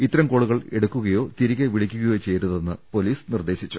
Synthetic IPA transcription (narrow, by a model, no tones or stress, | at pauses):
it̪ːɐɾɐmkoːɭuɣɐɭeɽɐkːuɣɐjo̞ːt̪iɾiɣɐʋiɭikʲːuɣɐjo̞ːt͡ɕe̞jɾuðenːɨpo̞liːsnird̪e̞ːɕit͡ɕːu